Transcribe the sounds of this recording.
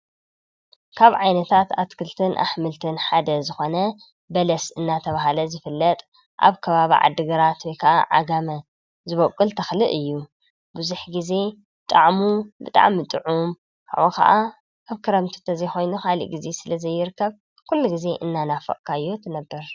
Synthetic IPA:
kʰaβʕajnɐt̪ʰat̪ʰat̪kʰɨlt̪ʰɨnʔa̰ħmɨlt̪ʰɨnħad̪ɐzɨxo̞nɐ | bɐlɐsɨnːat̪ʰɐβaɦalɐzɨfɨlːɐt̪ʼ | ʔa̰βkʰɐβaβḭʕa̰d̪ːɨɡɐɾat̪wɔjkʰɐʔaʕa̰ɡamɐ | zɨβokʼːɨlt̪ʰɐxlɨʔɨjːu | bɨzuħɡize̞ | t̪ʼaʕmubɨt̪ʼa̰ʕmit̪ʼɨʕum | kʰa̰ʔokʰɐ̰ʔa | aβkʰɨɾɐmt̪ʰɨ̥t̪ʰɐzɐjxo̞jnuxalḭʔɡize̞sɨlɐzɐjːɪɾɨkːɐβ | kʰulːuɡize̞ʔɨnːanafɐ̰ʔkʰajːot̪ʰɨnɐbːɐɾ

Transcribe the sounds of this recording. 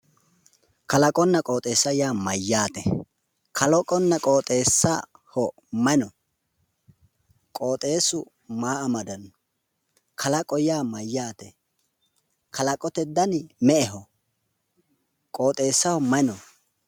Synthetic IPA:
kɐlɐkʼɔnːɐkʼo̞ːt̪ʼe̞ːsːɐjaːmɐjːaːt̪ɛ | kʰɐlɔkʼɔnːɐkʼo̞ːt̪ʼeːsːɐ | hɔ | mɐnɔ | kʼo̞ːt̪ʼe̞ːsʊ | maːʔɐmɐd̪ɐn | kʰɐlɐkʼɔjaːmɐjːaːt̪ɛ | kʰɐlɐkʼɔt̪ɛd̪ːɐnmɛɛɦɔ | kʼo̞ːt̪ʼe̞ːsːɐhɔmɐnɔ

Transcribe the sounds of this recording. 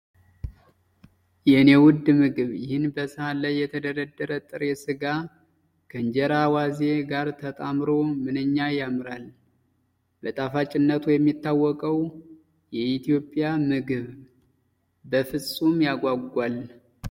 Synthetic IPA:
jɛnewʊd̪mɨɡɨβjɪhɨnbəsɨhalajːɛt̪ʰəd̪əɾəd̪ːəɾət̪ʼɨɾesɨɡa | kʰəɨɲd͡ʒɛɾawaze̞ɡaɾt̪ʰət̪ʼamɾo̞mɨnɨɲːajamɾal | b̥ət̪ʼafat͡ʃʼɪnːət̪ʰujɛmːit̪ːawːɔkʼəw | jɛit̪ʰijo̞pʼjamɨɡɨβ | bəfɨsʼumjaɡʷaɡːʷal

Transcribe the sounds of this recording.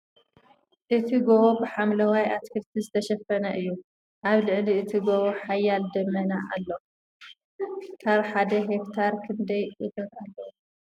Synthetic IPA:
ʔɨt̪ʰiɡoβobɨħamlɐwajat̪kʰɨɾt̪ʰizɨt̪ʰɐʃɐfɐnɐʔɨjːu | ʔaβlɨʕliɨt̪ʰiɡoβoħajːald̪ɐmːɐnaʔalːo | t̪ʰaɾħad̪ɐɦekt̪ʰaɾkʰɨnd̪ɐjʔɨt̪ɐt̪alːo

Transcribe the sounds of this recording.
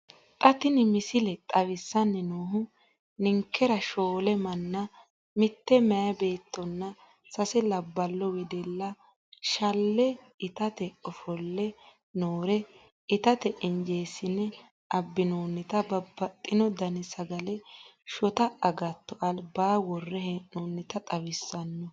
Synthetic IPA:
t̪ʼɐt̪ɪnɪmɪsɪlɛt̪ʼɐwɪsːɐnːɛnoːɦʊ | nɪŋkːɛɾɐʃoːlɛmɐnːɐ | mɪt̪ːɛmɛjɐbeːt̪ːɔnːɐ | sɐsɛlɐbːɐlːɔwɛd̪ɛlːɐ | ʃɐlːɛ | ɪt̪ɐt̪ɛɔfɔlːɛ | noːɾɛ | ɪt̪ɐt̪ɛʔɪnd͡ʒeːsɪnːɛ | ʔɐbːɪnoːnːɪt̪ɐbɐbːɐt̪ʼːɪnɔd̪ɐnɪsɐɡɐlɛʃɔt̪ɐɐɡɐt̪ːɔʔɐlbaːwɔrːɛhɛʔnoːnːɪt̪ɐt̪ʼɐwɪsːɐnːɔ

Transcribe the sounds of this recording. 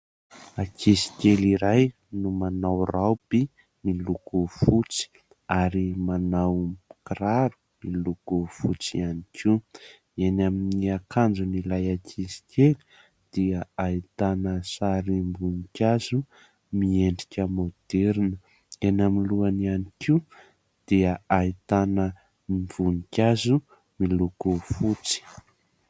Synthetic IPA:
akisi̥kʲeliɾaj | numanawrawpi | milukufut͡si̥ | aɾimanawkraɾu̥ | milukufut͡sḭanikʰiw | enaminiakʰand͡zunilajakʰisi̥kʲeli̥ | d̪̥iəait̪anəsaɾimbunikʲazu | mieɳɖ͡ʐikʲəmod̪̥eɾinə | enaminluanianikiu | d̪̥iəait̪anə | mv̥unikʲazu | miluɡufut͡si̥

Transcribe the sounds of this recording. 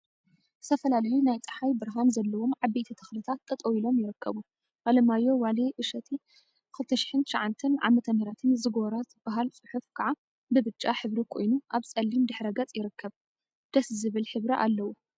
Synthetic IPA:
ɨ̥t̪ʰɐfɐlalɐjunajt͡sʼɨ̥ħajbɨɾɦanzɐlːɐwo̞mʕaβːet̪ʰit̪ʰɐ̥xlɨt̪ʰat̪ʼːɐt̪ʼɐwilo̞mjɪɾɨkʰːɐβu | ʔalɐmajːo̞waliʔɨʃɐt̪ʰi | kɨlt̪ʰːɐʃɪ̥ħɨnt̪ʃaʕant̪ʰɐnʕa̰mɐt̪ʰɐmɐɾat̪ʰɨnzɨɡoɾat̪b̥aɦalt͡sʼɨħufkʰaʕa | bɨbɨt͡ʃʼːaħɨβɾikʰo̞̰jnuʔaβsʼɐlːimd̪ɨħɾɐɡɐt͡sʼjɪɾɨkʰːɐβ | d̪̥ɐszɨβɨlħɨβɾiʔa̰lːɐwu

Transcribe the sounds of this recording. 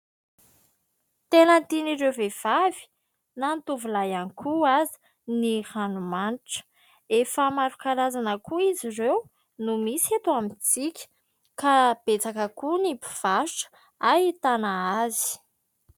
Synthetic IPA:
t̪enənt̪iniɾewvev̥avi̥ | nant̪uvulajanikʰuazi̥ | nihanumanʈ͡ʂə̥ | efəmaɾukaɾazanəkʰuizirew | numisiet̪uamit͡sikʲə̥ | kab̥et͡sakəkunipi̥v̥aʃʈ͡ʂə̥ | ait̪anaazi̥

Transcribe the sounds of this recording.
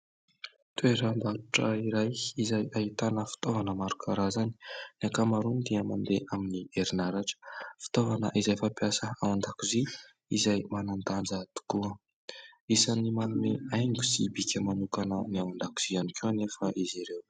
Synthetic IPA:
t̪weɾəmbaɾuʈ͡ʂə̰iɾajizajaɦit̪anəfi̥t̪ovanəmaɾukʰaɾazani̥nakamaɾund̪iəmand̪eʔaminieɾinaɾaʈ͡ʂə̥fi̥t̪ovanə̰ʔizajfapjasəawand̪akizi | ḭzajmanant̪and͡zət̪u̥kuə | isanimalumeajŋɡu̥sibikʲəmanukanəniawand̪aki̥z̥ianikʰewnefəʔiziɾew

